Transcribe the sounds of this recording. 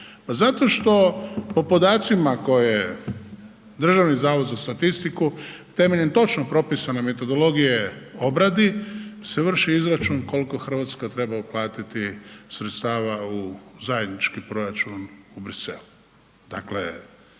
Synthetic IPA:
pazat̪o̞ʃt̪o̞po̞po̞d̪aːt̪simako̞jje | d̪r̩ʒaʋnizaːʋod̪zast̪at̪ist̪ikut̪e̞meʎent̪o̞t͡ʃnopɾo̞pisaneme̞t̪o̞d̪o̞lo̞ɡijeo̞bɾad̪iseʋr̩ʃiizɾat͡ʃunko̞lko̞xr̩ʋat̪skat̪ɾe̞bauplˠaːt̪it̪isɾet̪st̪aːʋauzaje̞d̪nit͡ʃkipɾo̞ɾat͡ʃunubɾisḛlu | d̪̥a̰klḛ

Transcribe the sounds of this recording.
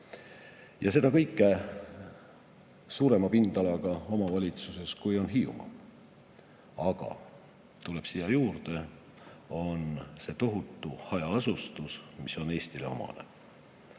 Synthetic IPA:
jɑse̞d̪̥ɑkɤjkːˑe | suːɾe̞mɑpind̪ɑlɑɡ̥ɑo̞mɑvɑlʲit̪suse̞skujo̞nɦiːṵmɑ̰ | ɑɡ̥ɑ̰ | t̪ule̞b̥sijːɑjuːrd̪̥e̞ | o̞nse̞ːt̪o̞ɦut̪ːˑuhɑjɑɑsust̪usmiso̞ne̞ːst̪ile̞̰o̞̰mɑ̰nḛ

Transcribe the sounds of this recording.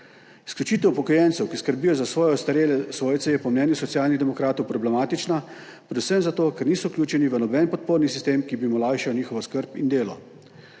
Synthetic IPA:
skjut͡ʃiːt̪ɛwpɔkɔjɛnsɛwkiskəɾbiːjɔzasʋɔːjɔst̪aɾeːlɛsʋoːjt̪sɛjɛpɔmnɛːnjusɔt̪sjaːlnid̪ɛmɔkɾaːt̪ɔwpɾɔblɛmaːt̪it͡ʃna | pɾɛd̪usəmzat̪oːkɛɾniːsɔwkljuːt͡ʃɛniʋənɔbɛnpɔt̪̚poːɾnisist̪eːmkibimɔlaːjʃawniːxɔʋɔskəɾpind̪eːlɔ

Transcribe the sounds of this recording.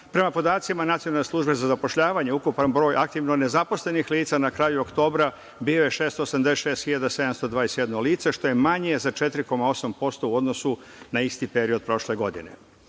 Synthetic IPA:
pɾe̞mapo̞d̪aːt̪simanat̪sionalne̞slˠuʒbe̞zazapo̞ʃʎaːʋaɲe̞ukupanbɾo̞ːjʔak̚t̪iʋno̞ne̞zapo̞sle̞nixliːt̪sanakɾaːjuokt̪o̞ːbɾa | biːjo̞je̞ʃe̞ːst̪osamd̪eseʃe̞ːst̪xiʎad̪ase̞d̪amst̪o̞d̪ʋaːjesjed̪noliːt̪seʃt̪o̞jemaɲiezat͡ʃe̞t̪ɾiko̞mao̞sampo̞st̪o̞uo̞d̪no̞su | naist̪ipe̞ɾio̞d̪̚pɾo̞ʃle̞ɡo̞d̪ḭne̞̰

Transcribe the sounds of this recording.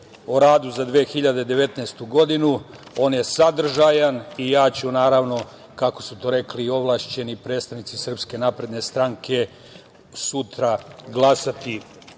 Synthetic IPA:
oɾaːd̪uzad̪ʋeːxiʎad̪ed̪e̞ʋe̞t̪nest̪uɡo̞d̪inuo̞ːnje̞sad̪r̩ʒajanijaːt͡ɕunaːɾaːʋno̞ | kako̞sut̪oɾe̞klio̞ʋlˠaːʃt͡ɕe̞nipɾe̞d̪st̪aʋnit̪sisr̩pske̞napɾe̞d̪ne̞st̪ɾaŋkʰe̞ | sut̪ɾaɡlˠasat̪i

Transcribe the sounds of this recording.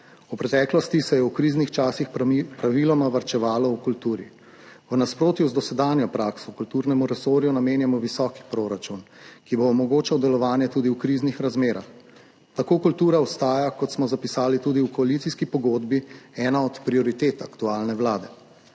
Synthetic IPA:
upɾɛt̪ɛːklɔst̪isɛjɛwkɾiznixt͡ʃaːsixpɾaʋilɔmaʋaɾt͡ʃɛʋaːlɔukult̪uːɾḭ | wnaspɾoːt̪juzd̪ɔsɛd̪aːnjɔpɾaːksɔkult̪uɾnɛmuɾɛsoːɾjunameːnjamɔʋisɔːki̥pɾoːɾat͡ʃunkiboːmɔɡoːt͡ʃawd̪ɛlɔʋaːnjɛt̪uːd̪iwkɾiːznixɾazmeːɾa̰x | t̪akoːkult̪uːɾaɔst̪aːjakɔt̪smɔzapisaːlit̪uːd̪iwkɔalit̪siskipɔɡoːd̪biɛːnaɔt̪pɾiɔɾit̪eːt̪akt̪uaːlnɛʋwlaːd̪ɛ

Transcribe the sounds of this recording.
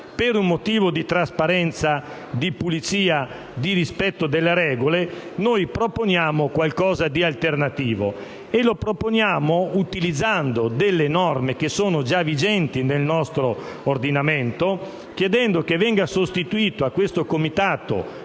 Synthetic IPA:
peɾummot̪iːvod̪it̪ɾaspaɾɛnt̪sa | d̪ipulit̪siːa | d̪iɾispɛt̪ːod̪elːeɾɛːɡolenojpɾoponjaːmokwalkɔːzad̪ialt̪ernat̪iːvo̰ | elopɾoponjaːmout̪ilid̪zːand̪od̪elːenɔrmekesoːnod͡ʒavid͡ʒɛnt̪inelnɔst̪ɾoː | rd̪inament̪o | k̟jed̪ɛnd̪okevɛŋɡasost̪it̪uiːt̪oakːwest̪okomit̪aːt̪o̰

